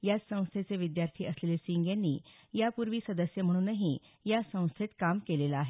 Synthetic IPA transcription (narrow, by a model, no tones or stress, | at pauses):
jat͡ssə̃w̃st̪ʰet͡seʋid̪jaɾt̪ʰiːʔəslelesiŋɡjãnːiː | japuɾʋiːsəd̪əsjəm̤əɽ̃uːnəɦi | jasə̃w̃st̪ʰet̪kamkelelaːɦe